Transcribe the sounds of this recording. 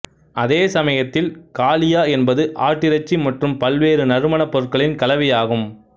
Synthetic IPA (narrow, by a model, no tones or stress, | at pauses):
ʔɐðeːsɐmɐjɐt̪ːɪlkaːlɪjaːɛnbɐðɯʔa̰ːʈːɪɾɐt͡ʃːimɐʈrɯmpɐlʋeːɾɯnɐɾɯmɐɳɐpːɔɾɯkɐɭɪnkɐlɐʋɐjaːɣɯm